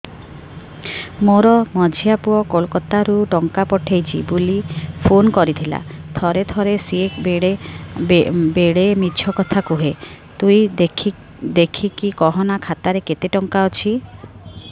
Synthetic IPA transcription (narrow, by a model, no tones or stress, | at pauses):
moɾɔmɔd͡ʒʱijapuɔkolkɔt̪aɾuʈɔŋkapɔʈʰejt͡ʃʰibulipʰonkɔɾit̪ʰila̰t̪ʰɔɾet̪ʰɔɾesiekbeɽe | beɽemit͡ʃʰɔkɔt̪ʰakuɦe | t̪ujʰ | d̪ekʰikikɔɦɔnakʰat̪aɾeket̪eʈɔŋkaɔt͡ʃʰi